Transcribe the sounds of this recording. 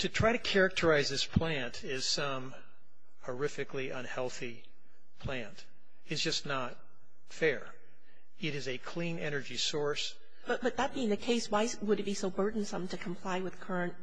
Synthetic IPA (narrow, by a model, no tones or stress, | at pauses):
tʰɨtʰɹ̥aɪɾɨkʰɛɹɨk̚tʰə˞aɪzðɪspʰl̥æ̃ntʰɪz̥sʌ̃m | hə˞ɪfɨkliʔʌ̃nhɛlˠθi | pʰl̥æ̃nt | ɨzd͡ʒʌsnət̚ | fɛɹ | ɨɾɨzɨkʰl̥ĩnɛnə˞d͡ʒisɔɹs | b̥ʌt̚b̥ʌt̪̚ðət̚b̥iɪ̃ŋðɨkʰeɪswaɪwəɾɨt̚b̥isoʊbɜ˞dⁿn̩sʌ̃mtʰɨkʰm̩pʰl̥aɪwɨð̥kʰɜ˞ɨ̃nt̚